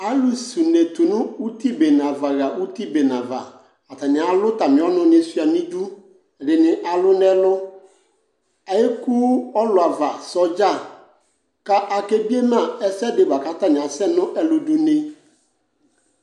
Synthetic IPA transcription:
a˦lʊ˨su˨ne˨tʊ˨nʊ̃˦u˦ti˦be˨nã˨va˨ɣa˨u˦ti˦be˨nã˨va˨ | a˨ta˨nɪ̃˨a˨lʊ˦ta˨mɪ̃˨˦ɔ˦nʊ̃˦nɪ̃˨si˨a˨nĩ˦du˦˨ | dɪ˨nɪ̃˨ʔa˨lʊ˦nɛ˦lʊ˦ | a˨jɪ˦ku˦ɔ˦lʊ˨a˨va˨sɔ˨d͡ʒa˦˨ | ka˦ʔa˨ke˦bi˦e˦mã˨ɛ˨sɛ˦dɪ˨ba˨ka˦ta˨nɪ̃˨a˨sɛ˦nʊ̃˦ʔɛ˦lʊ˦du˦ne˦

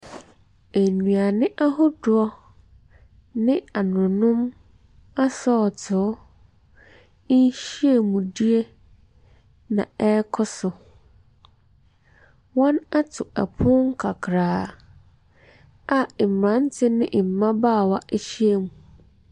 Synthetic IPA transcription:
e˨nũ˨a˨nɪ̃˦ʔa˦ɦʊ˦dʊ˨ɔ˦ | nɪ̃˦a˨nʊ̃˨nʊ̃˦m | a˦sɔː˦˨tʰʊ˨˦ | n˦ɕi˦e˦mũ˨di˦e˦ | nã˨ɛ˦kʰɔ˦sʊ˨ | wɔ̃˦na˦tʰʊ˨ɛ̰˨pʰʊ˦ŋ̩˦kʰa˨kʰɾaː˨ | a˨m̩˨ɾã˨˦n̩˦tʰɪ˦nɪ̃˦ʔm̩˨mã˦baː˦˨wa˦ʔe˦ɕi˦e˦mũ˨

